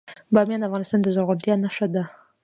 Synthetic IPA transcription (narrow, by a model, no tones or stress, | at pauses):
bɑmjɑnafɣɑnɪst̪ɑnd̪əzʊɾɣʊlt̪jɑnaʃad̪a